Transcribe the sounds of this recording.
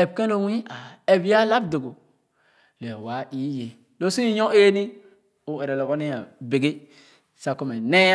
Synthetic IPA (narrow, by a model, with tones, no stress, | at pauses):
e˨b̚ke˦lo˦wĩ˦a˨e˨bi˦a˦la˦b̚do˨ɡo˨ | le˨wa˨˦ʔi˨˦je˨ | lo˦si˦i˦jõ˦ʔe˦ni˦ | u˨e˨ɾe˨lo˨ɡo˦ni˦ja˨be˨ɡe˦ | sa˦ko˦me˨ne˦